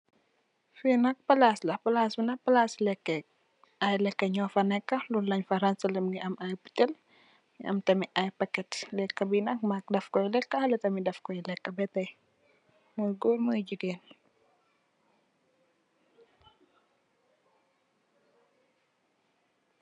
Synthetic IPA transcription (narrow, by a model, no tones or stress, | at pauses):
finɐk̚pɐlaslɐpɐlasbinɐhpɐlaslɛkːɛk̚ | ajlɛkːɐɲɔːfɐnɛkːɐlulːɐɲfɐɾɐnsɐləmniʔɐmajpu̥tɛl | niɐ̰mtɐmiʔajpɐkːɛtlɛkːɐbinɐk̚mak̚dɐfkɔjlɛkːɐhɐlɐtɐmidɐfkɔjlɛkːɐbɛtɐj | muɡoːɾməjd͡ʒiɡeːn